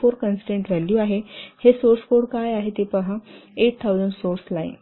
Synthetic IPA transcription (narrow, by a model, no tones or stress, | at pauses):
oɾkənsʈẽɳʈʋæljuaɦehesoɾskoɽkajaɦet̪epəɦãeʈ̚t̪ʰːawd͡zəɳɖsoɾslaḭn